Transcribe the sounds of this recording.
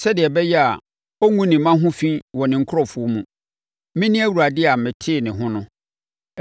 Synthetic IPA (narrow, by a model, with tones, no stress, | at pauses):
sɛ˦dɪ˨ɛ˨bɛ˦jɛ˦a˨ | o˦ŋũ˦nɪ̃˨mã˦ɦʊ̃˦fĩ˦wɔ˨nɪ̃˨ŋ̩˦kʰʊ˦ɾɔ˦fʊ˨ɔ˦mũ˨˦ | mɪ̃˦nɪ̃˦æ˦wu˨ɾa˨dɪ˦a˨m̩˨mɪ̃˨tʰɪ˦˨nɪ̃˨ɦʊ̃˦nʊ̃˦